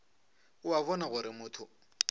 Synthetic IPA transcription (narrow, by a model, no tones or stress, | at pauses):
ʊaβɔnaɣʊɾɪmʊːtʰʊ